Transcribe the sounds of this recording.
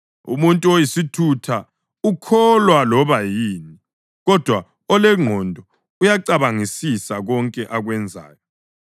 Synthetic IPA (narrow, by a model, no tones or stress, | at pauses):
ṵmuntʼuojisitʰutʰa | ukʰɔlwalɔβajiːni | ɣɔd̥ʱwa | ɔlɛŋ͡ǃʱɔndʱɔ | ujaǀaβaŋisisaɣɔŋkʼɛʔaɣwɛnd͡zʱa̰ːjɔ